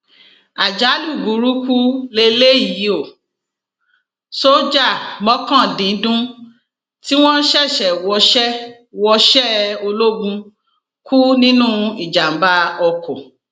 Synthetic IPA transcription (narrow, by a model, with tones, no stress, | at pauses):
a˨d͡ʒa˨˦lu˦˨ɡu˨˦ɾu˦ku˦le˧le˦˨ji˨˦o˦˨ | so˦d͡ʒa˦˨mɔ̃˦kã˦˨dĩ˨˦dũ˦ | ti˦w̃ɔ̃˦ʃɛ˦˨ʃɛ˨wɔ˧ʃɛ˦ | wɔ˧ʃɛ˦o˧lo˦ɡũ˧ | kʰu˦nĩ˦nũ˦i˦˨d͡ʒa˨m̩˨ba˧˦ɔ˧kɔ˨